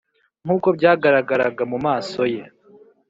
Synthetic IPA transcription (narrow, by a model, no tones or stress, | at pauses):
ŋ̥uːko̞bɟaːɡaɾaɡaɾaɡamumaːso̞je̞